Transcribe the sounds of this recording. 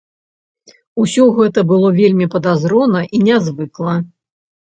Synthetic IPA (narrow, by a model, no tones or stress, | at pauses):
usʲɔɣɛt̪ɐbɨlˠɔvʲelʲmʲipɐd̪azɾɔnɐʔinʲazvɨklˠɐ